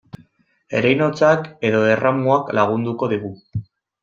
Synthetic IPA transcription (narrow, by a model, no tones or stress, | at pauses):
e̞̰ɾejno̞t͡sake̞ðo̞eramuaklaɣ̞und̪uko̞ðiɣu